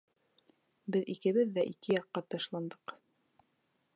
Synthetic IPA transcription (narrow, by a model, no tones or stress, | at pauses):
bɘðikɘ̆βɘðːæʔikɘjɑqːɑt̪ɑʃlˠɑnd̪ɤq